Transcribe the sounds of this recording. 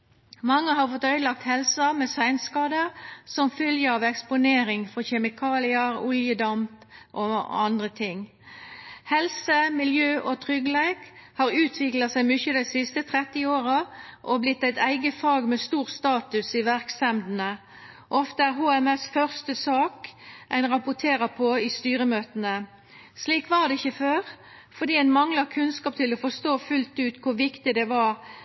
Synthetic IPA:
mɑŋːəhɑʁfɔt̪ːœʏd̪lɑk̚t̪hɛlsɑmeːsæɪnskɑːd̪əʁsɔmfœljəɑʋɛkspʊneːɾɪŋfɔçɛmɪkʰɑːlɪəʁʊljəd̪ɑmp | ʔɔɑnd̪ʁət̪ʰɪŋː | hɛlsəmɪljøːʔɔt̪ʰʁʏɡəleɪkhɑːʁʉːt̪ʰʋɪklɑsæɪmʏçəd̪æɪsɪst̪ət̪ʰʁɛt̪ːɪoːʁəʔɔblɪt̪ːæɪt̪ʰæɪɡəfɑːɡmɛːst̪uːʁst̪ɑːt̪ʉsiʋæʁksɛmd̪n̩ə | ʔɔft̪əæʁɦuːɛmɛsfœʁst̪əsɑːkʔæɪnʁɑpʊt̪ʰeːʁəpʰɔɪst̪yːʁəmøːt̪ənə | sliːkʋɑʁd̪ɛɪçːəføːʁ | fɔʁd̪iːæɪnmɑŋlɑkʰʉnskɑːp̚t̪ʰɪlɔfɔst̪oːfʉlt̪ʉːt̪kʰʊʋɪkt̪ɪd̪ɛʋɑːɾ

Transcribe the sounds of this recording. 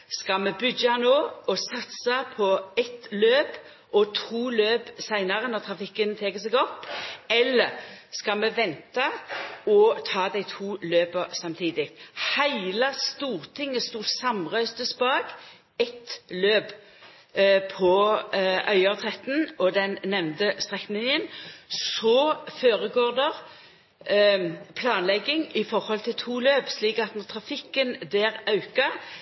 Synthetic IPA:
skɑlmɛbʏɡɑnoːɔsɑt̪sɑpʰɔɛt̪løːp | ʔɔt̪ʰuːløːpsæɪnɑʁənɔʁt̪ʰʁɑfɪkːənt̪ʰeːkəsɛɡɔpːɛlːəɾskɑmɛʋɛnt̪ɑɔt̪ʰɑːd̪æɪt̪ʰuːløːpəsɑmt̪ʰiːd̪ɪk̪hæɪləst̪uːʁt̪ʰɪŋːəst̪uːsɑmʁœʏst̪əspɑːɡ | ɛt̪løːp | pʰɔ | ʔœʏɑʁt̪ʰʁɛt̪n̩ɔd̪ɛnnɛʋnt̪əst̪ʁɛknɪnjənsɔføːɾəɡoːʁd̪ɛʁ | pʰlɑːnlɛɡːɪŋɪfɔʁhɔlt̪ʰɪlt̪ʰuːløːpsliːkɑt̪nɔt̪ʰɾɑfɪkːənd̪æːʁɑʉkɑ

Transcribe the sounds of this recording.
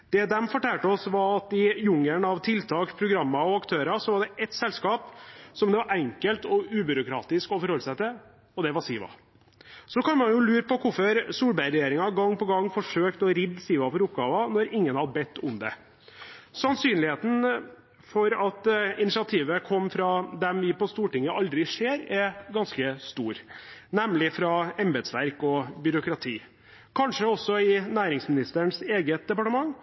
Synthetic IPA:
d̪̥ɛd̪ɛmfɔʈæːlʈəɔsʋɑɾɑt̪ɪjʊŋəɳɑʋt̪ʰɪlt̪ʰɑːkpʰɾʊɡɾɑmːɑɔɑkt̪ʰøːɾɑsɔʋɑɖɛʔɛt̪sɛlskɑːpsɔmd̪ɛʋɑɾɛŋkəlt̪ɔʉːbʏɾʊkɾɑ̰ːt̪ɪskɔfɔɾhɔlːsæɪt̪ʰɪ | ɔd̪ɛʋɑsiːʋɑ̰ | sɔkɑnmɑnjʊlʉːɾəpɔkʰʊfəɾsuːlbæɪɾɛjeːɾɪŋɑɡɑŋːpɔɡɑŋːfɔʂøːkt̪ɔɾɪd̪siːʋɑfɔɾʊpɡɑːʋɑnɔɾɪŋːənhɑd̪bɛt̪ʰːʊ̰md̪ɛ̰ | sɑnsyːnlɪheːt̪n̩ | fɔɾɑt̪ɪnɪʃɪɑt̪ʰiːʋəkʰɔmːfɾɑd̪ɛmʋɪpɔst̪uːʈɪŋːəʔɑld̪ɾɪʂeːɾɛɾɡɑnskəst̪uːɾnɛmlɪfɾɑɛmbəd̪sʋæɾkɔbʏɾʊkɾɑt̪ʰiː | kʰɑnʂəɔsːɔɪnæːɾɪŋsmɪnɪst̪əɳseːɡət̪̚d̪ɛpɑʈəmɑŋː

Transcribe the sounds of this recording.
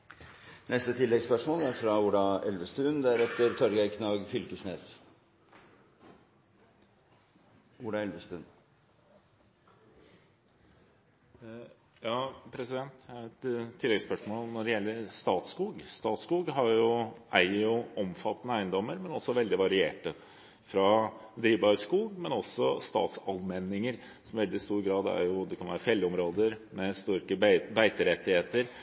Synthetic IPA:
nɛst̪ət̪ʰɪlːɛɡspœʂmoːlæɾfɾɑʊɖɑɛ̰lʋəst̪ʉːnd̪æɾɛt̪ːəɾt̪ʰɔɾɡæɪkʰnɑːɡfʏlkəsneːs | ʊɖɑɛlʋəst̪ʉːn | jɑːpʰɾɛsɪd̪ɛnt̪ɛt̪ʰːɪlːɛɡspœʂmoːlnɔɖɛjɛlːəɾst̪ɑːt̪skuːɡst̪ɑːt̪skuːɡɦɑɾjʊʔæɪəɾjʊɔmfɑt̪ːnəæɪənd̪ɔmːəɾmɛnɔsːɔʋɛld̪ɪʋɑɾɪḛːʈə | fɾɑd̪ɾiːʋbɑɾskuːmɛnɔsːɔst̪ɑ̰ːt̪sɑlmɛnːɪŋəɾ | sɔmʋɛld̪ɪst̪uːɾɡɾɑːd̪æ̰ɾjʊd̪ɛkʰɑnʋæ̰ːɾəfɛlːɔmɾoːd̪əɾmɛst̪ʊɾkəbæɪt̪əɾɛt̪ːɪheːt̪əɾ

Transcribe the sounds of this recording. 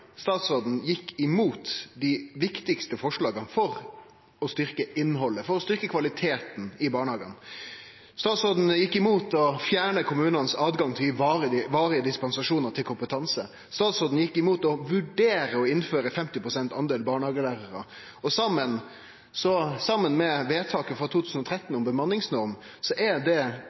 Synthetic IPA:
st̪ɑːt̪soːd̪n̩jɪkːɪmuːt̪d̪ɪʋɪkt̪ɪkst̪əfɔʂɭɑːɡənfɔɾ | ɔst̪ʏɾkəɪnːɦɔlːəfɔɾɔst̪ʏɾkəkʰʋɑlɪt̪ʰeːt̪n̩ɪbɑːɳəhɑːɡə̰n | st̪ɑːt̪soːd̪n̩jɪkːɪmuːt̪ɔfjæːɳəkʰʊmʉːnɑnsɑːd̪ɡɑŋt̪ʰɪʋɑːɾəʋɑːɾɪəd̪ɪspɑnsɑʂuːnəɾt̪ʰɪlkʰʊmpət̪ʰɑnsə | st̪ɑːt̪sɔd̪n̩jɪkːɪmuːt̪ɔʋʉɖeːɾəɔɪnːføːɾəfɛmt̪ɪpʰɾʊsɛnt̪ɑnd̪eːlbɑːɳəhɑːɡəlæːɾəɾə̰ | ɔsɑmːən | sɔsɑmːənmɛʋeːt̪ʰɑːkəfʁɑt̪ʰuːt̪ʰʉːsn̩ɔt̪ʰɾɛt̪ːn̩ɔmbəmɑnːɪŋsnɔɾmsɔʔæd̪ɛ

